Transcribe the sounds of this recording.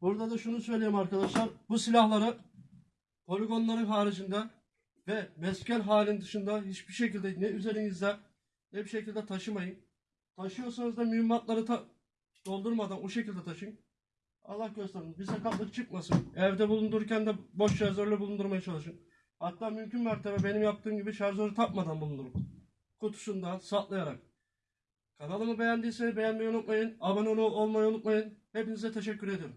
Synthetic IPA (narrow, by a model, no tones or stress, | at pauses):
buɾd̪ad̪aʃunusø̞jlʲeɾimaɾkad̪aʃlˠaɾbusilʲahlˠaɾɯ | pʰo̞lʲiɡo̞nlˠaɾɯnɦaːɾid͡ʒɯnd̪a | vɛmɛscælʲɦaːlʲinnd̪ɯʃɯnd̪aɦit͡ʃbiʃe̞cilʲd̪ɛnɛyze̞ɾinizd̪ɛ | nɛbiʃe̞cʰilʲd̪ɛt̪ʰaʃɯmajɯn | t̪ʰaʃɯjo̞ɾsanɯzd̪amyymːat̪lˠaɾɯt̪ʰa | d̪̥o̞lˠd̪uɾmad̪anuʃecʰilʲd̪ɛt̪ʰaʃɯjɯn | a̰lˠːahɟø̞st̪ʰɛɾimzbisakat̪̚lˠɯkt͡ʃʰɯk̚masɯnɛvd̪ɛbulˠund̪uɾuɾcænd̪ɛbo̞ʃt͡ʃaɾzølʲɛbulˠund̪uɾmajat͡ʃʰalˠɯʃɯn | hat̪ːaːmymcʰynmaɾt̪ʰebɛbe̞nimjap̚t̪ʰɯːmɟibiʃaɾzaɾɯt̪ʰap̚mad̪anbulˠund̪uɾum | kʰut̪ʰu̥ʃund̪asat̪lˠajaɾak̚ | kʰanalˠɯmɯbe̞jænd̪iːsenibe̞jænmejunut̪̚majɯnabanonuolˠmajaunut̪̚majɯnhepinizɛt̪ʰe̞ʃ̬ɛcʰːyɾe̞d̪ijo̞ɾum